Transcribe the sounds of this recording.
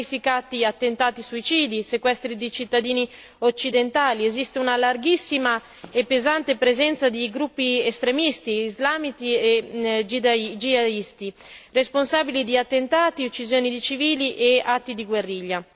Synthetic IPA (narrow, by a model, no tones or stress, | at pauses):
ifikat̪iat̪ːent̪aːt̪isuit͡ʃiːd̪isekwɛst̪ɾid̪it͡ʃit̪ːad̪iːni | ot͡ʃːid̪ent̪aːliezist̪eunalarɡisːima | epːezant̪epɾezɛnt̪sad̪iɡɾupːiest̪ɾemist̪iːzlaːmit̪ied͡ʒid̪d͡ʒiad̪ist̪i | responsaːbilid̪iat̪ːent̪aːt̪iot͡ʃːizjoːnid̪it͡ʃiviːliʔeat̪ːid̪iɡwerːiʎːa